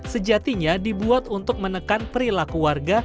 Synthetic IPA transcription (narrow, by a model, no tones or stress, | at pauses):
səd͡ʒat̪iɲadibuat̪unt̪ʊk̚mənəkanpəɾilakuwarɡa